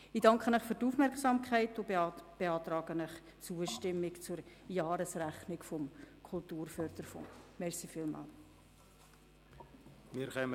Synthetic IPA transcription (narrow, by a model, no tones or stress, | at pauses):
ɪdɑŋkχənəχfyrtufmɛrksɑmkʰχɛɪtʊb̥eɑːtrɑːɡənəχ | t͡suəʃtɪmːɪkt͡sʊɾjɑːɾəsræχnɪkfɔmkʰʊlˠtuːrfœrd̪̥əɾfɔ̰ŋmɛrsifiːlmɑ̰ːl | miːɾχɛm